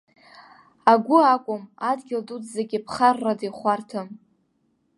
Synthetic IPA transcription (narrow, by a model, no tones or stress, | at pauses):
aɡʷʊakʷʼʊmadɡʲɪldudzaɡʲɪpʰχarːadiχʷartʰɨm